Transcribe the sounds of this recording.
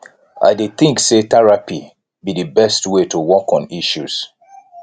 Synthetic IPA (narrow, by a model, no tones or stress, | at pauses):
ʔa̰ɪdeθĩŋkset̪ɛɹapi | bidɨbɛstwetuwɔkɔ̃niʃus